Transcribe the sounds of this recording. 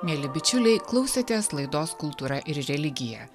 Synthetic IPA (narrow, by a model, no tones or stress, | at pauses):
mʲeːlʲɪbʲɪt͡ʃʲʊlʲɛɪklˠɐʊsʲet̪ʲeːslˠɐɪd̪oːskʊlˠt̪uːɾɐʔɪɾɾʲɛlʲɪɡʲɪjɛː